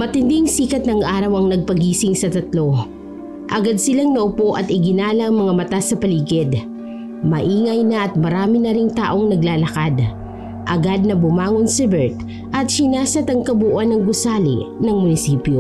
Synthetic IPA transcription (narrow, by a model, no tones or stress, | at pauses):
mɐt̪ɪnd̪ɪŋsiːkɐt̪̚nɐŋʔaːɾɐwɐŋnɐɡ̚pɐɡiːsɪŋsɐt̪ɐt̪lo̞ | ʔɐɡad̪̚sɪlaŋnɐʔʊpoʔɐt̪ɪɡɪnaːlɐɐŋmɐŋamɐt̪asɐpɐliːɡɪd̪ | mɐʔiːŋɐjnɐʔɐt̪̚mɐɾaːmɪnɐɾɪŋt̪a̰ːʔo̞ŋnɐɡlaːlɐkad̪ | ʔɐɡad̪̚nɐbʊmaːŋonsɛbɛɹt̪ | ʔɐt̪̚sɪnaːsɐt̪ɐŋkɐbuːʔɐnɐŋɡʊsaːlɪ̰nɐŋmʊnɪsiːpjo